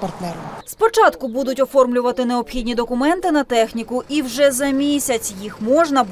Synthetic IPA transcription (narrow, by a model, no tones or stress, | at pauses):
pɐrt̪nɛɾspɔt͡ʃɑt̪kʊbud̪ʊtʲɔfɔrmlʲʊʋɐt̪ɪneɔpxʲidʲnʲid̪ɔkʊmɛnt̪ɪnɐt̪ɛxnʲikʊʔiwʒɛzɐmʲisʲɐt͡sʲjixmɔʒnɐ